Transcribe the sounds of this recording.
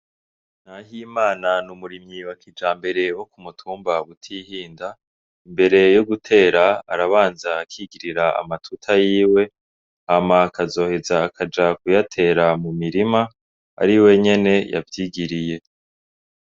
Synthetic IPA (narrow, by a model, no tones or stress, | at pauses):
naɦimaːnanumuɾimɲiwakʰid͡ʒaːmbe̞ɾe̞wo̞kumutʰuːmbaɡutʰihiːnda | imbe̞ɾe̞jo̞ɡutʰe̞ːɾaa̰ɾaβaːnzaːkʰiɡiɾiɾaa̰matʰutʰajiːwe̞ | hamakazo̞ːhe̞zaːkʰad͡ʒakujatʰe̞ːɾamumiɾima | a̰ɾiwe̞ɲe̞ne̞ja̰vjiːɡiɾije̞